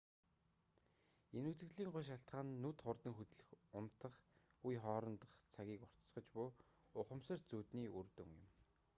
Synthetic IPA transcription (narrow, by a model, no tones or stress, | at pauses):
enut͡sɘ̆ɮiːŋɢʊjʃ̬aɬt̪χaːnːuːt̪χʊrt̪ə̆ŋxut̪ɮɘ̆xʊm̥t̪ə̆χujχɔːɾɞ̆nt̪ə̆χt͡sʰaɣʲiːkʊr̥t̪sχə̆t͡ɕpʊː | ʊχə̆msə̆rt͡suːt̪niːurt̪ṵ̆ŋjɪ̰̆m